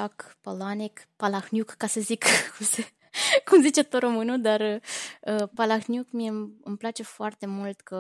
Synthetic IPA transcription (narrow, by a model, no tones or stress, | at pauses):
akpolanikpalaxnjukːasəzikkumse | kumzit͡ʃe̞t̪oɾo̞mɨnud̪arəəpalaxnjukmieɨmplat͡ʃe̞foart̪e̞mult̪kə